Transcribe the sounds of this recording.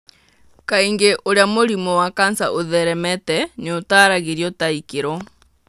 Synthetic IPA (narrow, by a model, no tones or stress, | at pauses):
kaiŋɡeʔoɾeamoɾimɔwakansa̰ʔoðɛɾɛmɛtɛneotaːɾaɣeɾiɔtaikeɾɔ